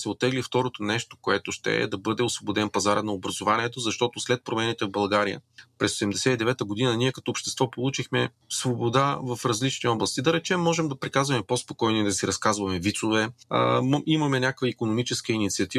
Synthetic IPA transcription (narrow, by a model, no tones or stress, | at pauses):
sɛot̪ːɛɡlift̪ɔɾot̪onɛʃt̪o̥koɛt̪ʊʃt̪ɛ̰d̪ɐbɤd̪ɛosvobod̪ɛnpɐzaɾənɐobɾɐzovaniɛt̪ozɐʃt̪ɔt̪oslɛt̪̚pɾomɛnit̪ɛvbɐlˠɡaɾijə̰pɾɛsod̪ɛmd̪ɛsɛid̪ɛvɛt̪əɡod̪inɐniɛkɐt̪ɔopʃt̪ɛst̪vɔpolˠut͡ʃixmɛ | svobod̪avɐfɾɐzlit͡ʃniɔblˠəst̪id̪ɐɾɛt͡ʃɛmːɔʒɛmd̪ɐpɾikazvɐmɛpospokɔjniɛd̪ɐsiɾɐskazvɐmɛvit̪sovɛ̰mimɐmɛnʲakəkvəikonomit͡ʃɛskəinit̪siɐt̪i